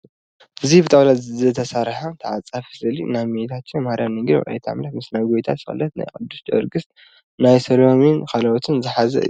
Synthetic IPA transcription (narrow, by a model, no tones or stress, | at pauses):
ʔɨzibɨt̪ʼawlazɐt̪ʰɐsaɾħant̪ʰɐʕat͡sʼafzɨlinaβmet̪ʰat̪t͡ʃːmahaɾjamnɨŋɡɾwʕa̰jt̪ʰa̰mlɐt̪mɨsnajɡojt̪ʰa̰t̪sɨxʼɨ̰lːɐt̪na̰jkʼɨd̪ːust͡ʃʼɐ̰ɾɡɨs | najsɐlominkʰalɐwɔt̪ʰɨnzɨħazɐ̰ɨ̰